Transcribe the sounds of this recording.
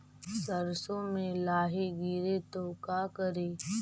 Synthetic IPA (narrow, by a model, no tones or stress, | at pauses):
səɾsõmẽlaːɦeɡiɾet̪oːkakəɾeː